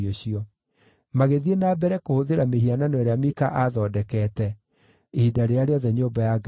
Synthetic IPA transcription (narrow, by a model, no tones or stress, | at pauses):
oɕiɔ | maɣeðienaːbɛɾɛkohoðeɾameɦiananɔeɾeamikaʔaðɔdɛkɛːtɛ | eidaɾeaɾeɔðɛɲoːmbajaɡ